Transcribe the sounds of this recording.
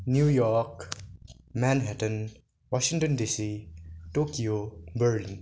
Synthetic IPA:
njujɔɾk | mãnɦɛtən | waʃiŋtɔndisitokiobəɹlin

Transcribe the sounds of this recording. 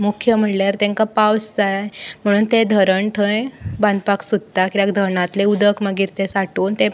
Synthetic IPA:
mukʰjəm̤əʈljaɾt̪ẽŋkapawsd͡zajm̤əɽ̃uːnt̪ed̪ʱəɾəɳt̪ʰə̃jband̪paksud̪̚ʱt̪akiɾjakd̪ʱəɾɳãt̪leud̪əkməɡiːɾt̪esaʈuːnt̪e

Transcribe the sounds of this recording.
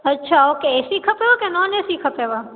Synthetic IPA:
ətːʃʰaokeesikʰəpeʋakenɔnesikʰəpeʋa

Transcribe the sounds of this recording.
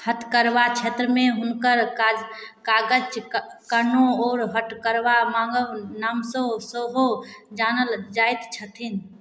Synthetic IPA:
hət̪kəɾʋat͡ʃʰet̪ɾəmeɦunkəɾad͡ʒ | kaɡət͡ʃ | kənoɔːɾɦəʈkəɾʋamãŋɡəwnaːmsõsoɦod͡ʒanəld͡ʒajt̪t͡ʃʰət̪ʰin

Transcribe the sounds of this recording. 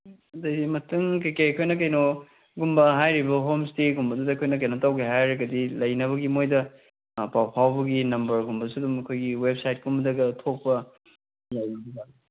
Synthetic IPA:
ɐdɐjdimɐtuŋk̬ekekʰojnɐkɐjno | ɡumbɐɦajɾibɐɦomsteɡumbɐdudɐkʰojnɐk̬ɐjnotɐwkʰeɦajɾɐɡɐdilɐjnɐβɐɡimojdɐ | pawpʰawbɐɡinɐmbɐɾɡumbɐsudumɐkʰojɡiweb̚sajt̚ɡumbɐdɐɡɐtʰok̚pɐ | lajnɐbiza

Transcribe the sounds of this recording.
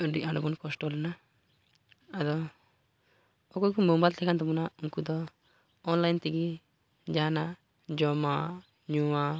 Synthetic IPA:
ɔɖiãɳɖɔbɔnkɔsʈɔlɛna | ad̪ɔ | ɔkɔjkumɔmbajlt̪ɛkʰant̪ɔmɔnauŋkud̪ɔː | nlajnt̪iɡi | d͡ʒana | d͡ʒɔma | ɲua

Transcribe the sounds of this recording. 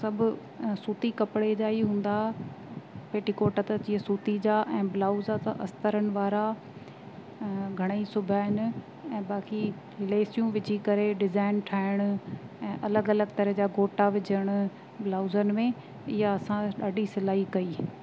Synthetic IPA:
sɐbʱʊ | suːt̪ikɐpɪɽed͡ʑaːiɦũːn̆d̪a | peːʈikoːʈət̪ɐt͡ɕiːəsuːt̪id͡ʑaʔɛ̃ːbɪlaːʊzat̪ɐ̰ʔɐst̪əɾənɪ̆ʋaːɾa | ɡʱɐɽ̃isʊbʱaɦɪnɪ̆ | ɛ̃ːbaːki | ɦɪleːsijũʋɪd͡ʑikɐɾeɖɪzaːɪnʈʰaːɪɽ̃ʊɛ̃ːʔɐləɡɐləɡ̚t̪ɐɾəɦd͡ʑaɡoːʈaʋɪd͡ʑʱəɽ̃ʊ | blaːʊzənɪ̆mẽ | ɪɦaɐsãɗaːɖʱisɪlaːikɐiː

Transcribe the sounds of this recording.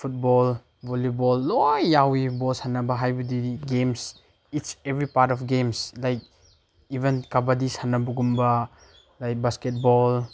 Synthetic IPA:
fʰut̚bɔl | bolibɔlːojːawibɔlsanːɐbɐɦajbɐdiiɡems | itsevɾipaɾtɔfɡemslajk̚ | ibenkabadisanːɐbuɡumbɐ | lajk̚basket̚bɔl

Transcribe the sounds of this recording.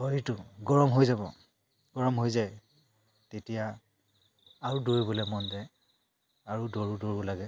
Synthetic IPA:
oɹitʊɡɔɹɔmɦojzabɔ̰ | ɡ̥ɔɹɔmɦojzaj | tetija | aɹudoɹbolɛmɔndɛ | aɹudoɹudoɹʊlaɡɛ

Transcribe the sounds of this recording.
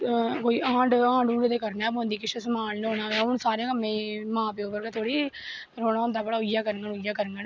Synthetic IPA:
koːiːʔãːɳɖãːɳɖũːɳɖd̪eːkəɾnɛ̃ːõːnd̪iːkɪʃəsəmaːnloːnãːʋɛ̃ːʊnsaːɾɪjãːkəmːẽːmãːpeoːbəɾɡɛt̪ʰoːɽiː | ɾoːnaːʊ̃nd̪aːbəɽaːʊjaːkəɾəŋɡənʊjaːkəɾəŋɡən

